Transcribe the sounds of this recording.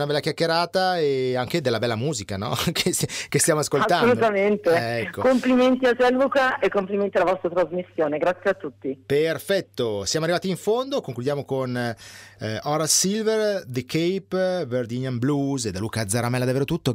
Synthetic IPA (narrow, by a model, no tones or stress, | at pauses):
nabɛlːakjakːeɾaːt̪aeaŋk̟ed̪elːabɛlːamuːzikanɔ̰kʰeskest̪jaːmoaskolst̪anːolut̪ament̪eɛkːokompliment̪iat͡ʃɛlukaʔekːompliment̪ialavɔst̪ɾat̪ɾazmisːjoːneɡɾat̪sːjeat̪ːut̪ːiperfɛt̪ːosjamoarːivaːt̪iːɱfond̪okoŋklud̪jaːmokon | ɔɾasilverd̪ekejpverd͡ʒiɲamblused̪aluːkad̪zaɾamɛlːad̪avːeːɾot̪ut̪ːo